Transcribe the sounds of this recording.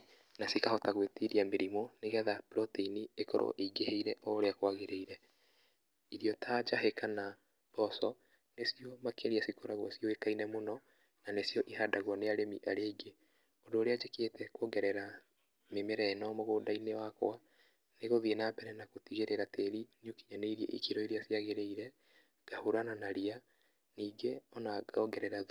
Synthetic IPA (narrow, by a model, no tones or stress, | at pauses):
nasikahɔtaɣwetiɾiameɾimɔneɣɛðapɾɔteiniekɔ̰ɾʔo̰ʔeiɡeheiɾɛʔɔɾeakwaɣeɾeiɾɛ | iɾijɔtaːd͡ʒaɦekana | b̥ɔsɔ | nesiɔmakeɾiasikoɾaɣwɔ̰siɔekainɛmonɔ | nanesiɔʔihadaɣwaneaɾemiʔaɾeɡe | ɔdoːɾead͡ʒekeːtɛkɔɡɛɾɛɾa | memeɾɛnɔmoɣoːdainewako̰a | neɣoðienaːpɛɾɛnakotiɣeɾeɾateɾinokiɲaneiɾiɛ̰ʔḭkiɾɔiɾiasiaɣeɾeiɾɛ | ɡ̥ahoɾananaɾia | niːɡeɔnaɡaɔɡɛɾɛɾa